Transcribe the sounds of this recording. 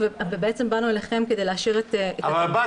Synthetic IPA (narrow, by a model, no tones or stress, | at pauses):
vevebeet͡sembanueleχe̞mke̞d̪ejleaʃiʁet̪evaba